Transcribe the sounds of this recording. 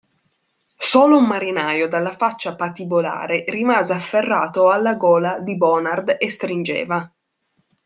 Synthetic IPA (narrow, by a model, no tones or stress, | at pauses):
soːloumːaɾinaːjod̪alːafat͡ʃːapat̪ibola̰ːɾerimaːzeafːerːaːt̪oalːaɡɔːlad̪ibɔːnard̪est̪ɾind͡ʒḛːva